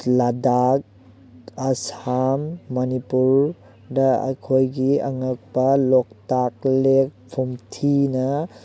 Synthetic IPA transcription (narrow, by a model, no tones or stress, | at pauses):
ladak̚ | ɐsamːɐnipuɾ | dɐɐ̰kʰojɡiɐŋɐk̚pɐlok̚tak̚lek̚pʰumtʰinɐ